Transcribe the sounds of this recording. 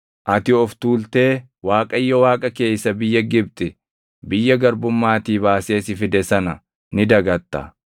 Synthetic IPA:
ʔɐt̪ɪɔft̪uːlt̪e̞ː | waːkʼɐjːɔwaːkʼɐke̞ːsːɐbɪjːɐɡɪbt̪ʼɪ | bɪjːɐɡɐɾbʊmːaːt̪iːbaːse̞ːsɪfɪd̪ɛsɐnɐ | nɪd̪ɐɡɐt̪ːɐ̰

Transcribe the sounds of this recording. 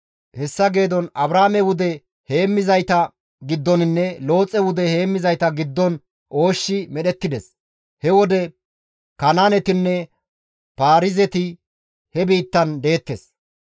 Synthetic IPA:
hɛsːɐɡe̞ːd̪ɔnɐbɾaːmɛwʊd̪ɛ | he̞ːmːɪzɐjt̪ɐ | ɡɪd̪ːɔnɪnːɛlo̞ːt͡sʼɛwʊd̪ɛhe̞ːmːɪzɐjt̪ɐɡɪd̪ːɔn | ʔo̞ːʃːɪmɛɗɛt̪ːɪd̪ɛs | hɛwɔd̪ɛ | kɐnaːnɛt̪ɪnːɛ | paːɾɪzɛt̪ɪ | hɛbiːt̪ːɐnd̪e̞ːt̪ːes

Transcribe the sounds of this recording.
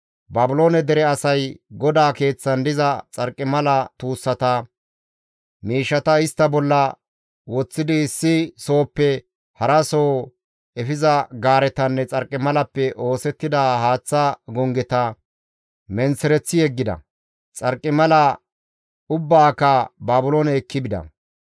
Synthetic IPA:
bɐbɪlo̞ːnɛd̪ɛɾɛɐsɐjɡɔd̪aːke̞ːt͡sːɐnd̪ɪzɐt͡sʼɐɾkʼːɪmɐlɐt̪uːsːɐt̪ɐ | miːʃːɐt̪ɐɪst̪ːɐbɔlːɐ | wɔt͡sːɪd̪ɪːsːɪso̞ːpːɛ | hɐɾɐsoː | ɛfɪzɐɡaːɾɛt̪ɐnːɛt͡sʼɐɾkʼːɪmɐlɐpːɛʔo̞ːsɛt̪ːɪd̪aːhaːt͡sːɐɡɔŋɡɛt̪ɐ | mɛnsɛɾɛt͡sːɪjɛɡːɪd̪ɐ̰ | t͡sʼɐɾkʼːɪmɐlɐ | ʊbːaːkːɐbaːbʊlonɛkːɪbɪd̪ɐ̰

